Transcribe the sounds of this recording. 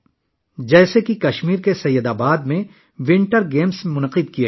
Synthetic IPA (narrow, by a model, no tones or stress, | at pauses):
d͡ʒɛːsekikɐʃmiːɾkesɐjːəd̪aːbaːd̪mẽ | ʋɪ̃ɳʈəɾɡeːmsmʊnəqɪd̪̚kie